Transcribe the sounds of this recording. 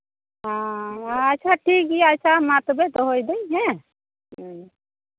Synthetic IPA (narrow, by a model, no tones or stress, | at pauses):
ɦãː | t͡ʃʰaʈʰikiat͡ʃʰamat̪ɔbet̪ɔɦojd̪ejɦɛ̃